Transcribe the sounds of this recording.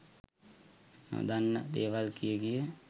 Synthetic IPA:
d̪anːəd̪eːʋalkijeɡije

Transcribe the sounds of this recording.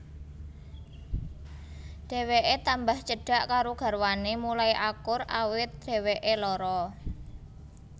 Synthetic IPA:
ɖ̥e̤weʔet̪ambaht͡ʃəɖ̥a̤ʔkaɾoɡ̥a̤rwanemulaiʔakʊrawɪt̪̚ɖ̥e̤weʔelɔɾɔ

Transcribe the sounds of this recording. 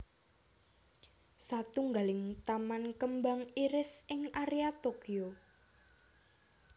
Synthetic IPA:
sat̪uŋɡalɪŋt̪amankəmbaŋiɾɪsɪŋaɾiat̪okio

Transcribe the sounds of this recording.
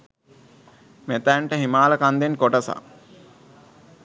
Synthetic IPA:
met̪æɳʈəɦimaːləkand̪enkoʈəsa̰

